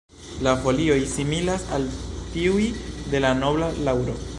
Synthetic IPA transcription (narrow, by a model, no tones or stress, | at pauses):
lafo̞lio̞jsimilasaltiujde̞lano̞blalawɾo